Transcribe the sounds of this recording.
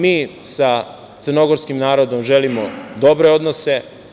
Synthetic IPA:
miːsa | t̪səɾno̞ɡoɾskimnaːɾod̪o̞mʒelimod̪o̞bɾeo̞d̪nose̞

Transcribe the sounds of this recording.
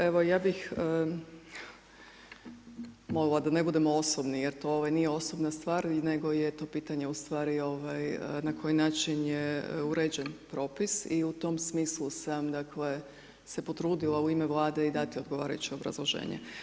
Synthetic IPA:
e̞ʋo̞jaːbixə | mo̞lilˠad̪ane̞bud̪e̞moosobnijeɾt̪o̞oʋajnijeo̞so̞bnast̪ʋaːɾneɡo̞jet̪o̞ːpiːt̪aɲeust̪ʋaːɾio̞ʋajənakʰo̞jinaːt͡ʃinjeuɾed͡ʑenpɾo̞ːpisiut̪o̞msmiːslˠusamd̪akle̞ | se̞po̞t̪ɾuːd̪ilˠauimeʋlˠaːd̪e̞id̪at̪io̞d̪ɡo̞ʋa̰ːɾa̰jut͡ɕio̞bɾa̰zlˠoʒḛːɲḛ

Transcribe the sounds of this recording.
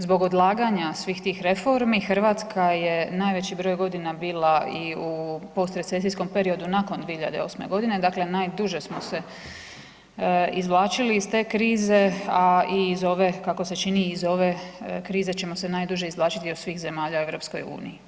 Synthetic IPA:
zbo̞ɡo̞d̪lˠaːɡaɲasʋiːxt̪iːxɾe̞fo̞ɾmixr̩ʋaːt̪skʰaje̞naːjʋe̞t͡ɕibɾo̞ːjɡo̞d̪inabiːlaiupo̞st̪ɾe̞t̪se̞sijsko̞mpe̞ɾio̞d̪unakond̪ʋijehiʎa̰d̪e̞o̞sme̞̰ɡo̞d̪ine̞d̪akle̞naːjd̪uʒe̞smo̞se̞ | izʋlˠaːt͡ʃiliːst̪e̞ːkɾiːze̞aiːzo̞ʋe̞kako̞se̞t͡ʃiniːzo̞ʋe̞kɾiːze̞t͡ɕe̞mo̞se̞naːjd̪uʒe̞izʋlaːt͡ʃit̪iosʋiːxze̞maːʎaueʋɾo̞ːpsko̞̰jṵːnḭji

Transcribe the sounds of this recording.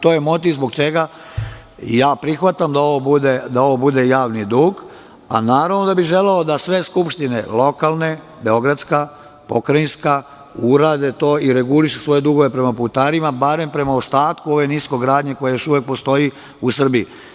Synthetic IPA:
t̪oːjemo̞t̪̬iʋzbo̞ɡt͡ʃe̞ɡa | jaːpɾixʋat̪amd̪ao̞ʋo̞bud̪ed̪ao̞ʋo̞bud̪e̞jaːʋnid̪uːɡ | a̰naːɾaʋnod̪abiʒe̞leod̪asʋe̞skupʃt̪ine̞̰lˠo̞kalˠne̞ | be̞o̞ɡɾat̪ska | po̞kɾainska | uɾaːd̪e̞t̪o̞ːiɾe̞ɡuliʃesʋo̞je̞d̪uɡo̞ʋe̞pɾe̞maput̪aɾimabaɾe̞mpɾe̞maost̪aːt̪kuo̞ʋe̞nisko̞ɡɾaːd̪ɲe̞ko̞jajo̞ʃuʋe̞k̚post̪o̞ji | usr̩bii

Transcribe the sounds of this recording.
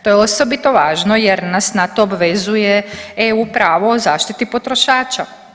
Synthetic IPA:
t̪ojeosobit̪oʋaːʒnojeɾnasnat̪oːbʋezujeeupɾaːʋoːzaːʃt̪it̪ipo̞t̪ɾoʃaːt͡ʃa

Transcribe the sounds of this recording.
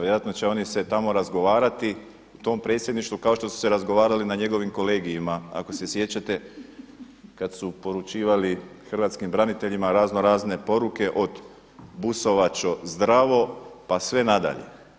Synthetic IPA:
jeɾat̪no̞t͡ɕe̞o̞niset̪amo̞ɾazɡo̞ʋaːɾat̪i | ut̪o̞mpɾet̪sʲje̞d̪niʃt̪ʋukaoʃt̪o̞su̥se̞ɾazɡo̞ʋaːɾalinaɲe̞ɡo̞ʋimko̞le̞ːɡijimaa̰ko̞se̞sje̞t͡ɕat̪e̞ | kad̪supo̞ɾut͡ʃiːʋalixr̩ʋat̪skimbɾanit̪e̞ʎimaɾaːzno̞ɾaːzne̞po̞ɾuke̞ʔo̞d̪ | buso̞ʋat͡ʃo̞zd̪ɾaʋo̞pasʋe̞nad̪a̰ʎe̞̰

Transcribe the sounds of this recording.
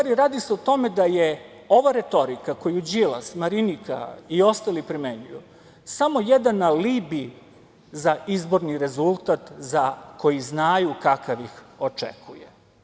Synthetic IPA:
aɾiɾaːd̪iseot̪o̞me̞d̪aje | o̞ʋaɾe̞t̪o̞ɾikako̞jud͡ʑilˠa̰smaɾinika̰io̞st̪alipɾimeɲujṵ | samo̞jed̪anːalibi | zaizbo̞ɾniɾe̞zulˠt̪at̪zako̞jiznajukakaʋixo̞t͡ʂḛkʰujḛ

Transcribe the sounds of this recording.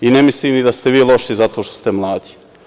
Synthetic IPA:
inemisliːmnid̪ast̪eʋiːlˠo̞ʃizat̪o̞ːʃt̪ost̪emlˠaːd̪i̥

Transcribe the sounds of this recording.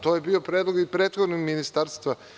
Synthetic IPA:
t̪ojebio̞pɾed̪lˠoɡipɾeːt̪xod̪noɡminist̪aːɾst̪ʋa

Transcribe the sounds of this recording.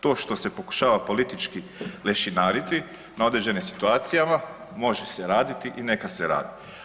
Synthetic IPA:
t̪o̞ːʃt̪o̞se̞po̞ku̥ʃaːʋapo̞lit̪it͡ʃki | le̞ʃinaːɾit̪i | nao̞d̪ɾed͡ʑe̞nimsi̥t̪uaːt̪sijama | mo̞ʒeseɾaːd̪it̪iʔine̞kaseɾa̰ːd̪i

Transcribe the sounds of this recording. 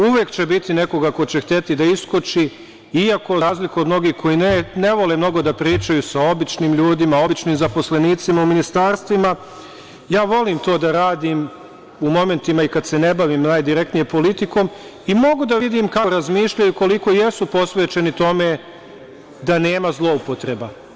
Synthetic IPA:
uʋjeːkt͡ɕe̞bit̪ine̞ko̞ɡako̞t͡ɕext̪e̞t̪id̪aiskot͡ʃi | iako̞ɾaːzlikuod̪mno̞ɡiːhkʰo̞jinne̞ʋo̞lemno̞ɡo̞d̪apɾiːt͡ʃajusao̞bit͡ʃniːmʎuːd̪imao̞bit͡ʃniːmzapo̞sle̞niːt̪simauminist̪aːɾst̪ʋima | jaːʋo̞liːmt̪o̞ːd̪aɾaːd̪iːm | umo̞me̞nt̪imaikad̪se̞ne̞baʋiːmnaːjd̪iɾe̞k̚t̪nije̞po̞lit̪iko̞ːm | imo̞ɡud̪aʋid̪iːmkaɾazmiːʃʎajuko̞liko̞jesupo̞sʋe̞ːt͡ʃe̞nit̪o̞me̞ | d̪aneːmazlˠo̞upo̞t̪ɾe̞ba

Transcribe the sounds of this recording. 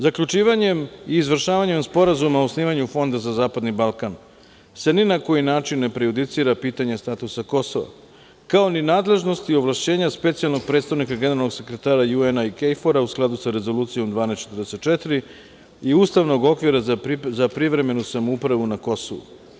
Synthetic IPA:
zakʎʲut͡ʃiːʋaɲe̞miːzʋr̩ʃaːʋaɲe̞mspo̞ɾazumaosniːʋaɲufo̞nd̪azazaːpad̪nibalˠkan | seninako̞jinaːt͡ʃinːe̞pɾejud̪it̪siːɾapiːt̪aɲest̪at̪usako̞so̞ʋa̰ | kao̞ninaːd̪le̞ʒno̞st̪ioʋlˠaʃt͡ɕe̞ːɲaspe̞t̪sialˠno̞ɡ̚pɾed̪st̪aʋnikaɡe̞ne̞ɾalno̞ɡse̞kɾet̪aːɾajuenaikejfoɾausklˠad̪usaɾe̞zo̞luːt̪sijo̞md̪ʋaːnest͡ʃe̞t̪ərd̪ese̞t̪̚t͡ʃet̪ɾi | iuːst̪aʋno̞ɡo̞kʋiɾazapɾiʋɾe̞me̞nusamoupɾaʋunako̞so̰ʋṵ

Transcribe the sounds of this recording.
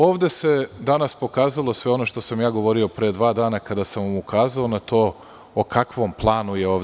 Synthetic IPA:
o̞ːʋd̪e̞se̞d̪anaspo̞kaːzalˠo̞sʋe̞o̞no̞ʃt̪o̞samjaːɡo̞ʋo̞ɾio̞pɾeːd̪ʋaːd̪aːnakad̪asamʋamukaːzaonat̪o̞ː | okʰakʋo̞mplˠaːnujeoːʋ̪

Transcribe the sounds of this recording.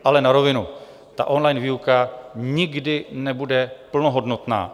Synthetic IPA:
ʔalɛnaɾovɪnu | t̪a̰ʔo̞nlajnviːukaɲɪɡdɪnɛbudɛpl̩noɦo̞dno̞t̪na̰ː

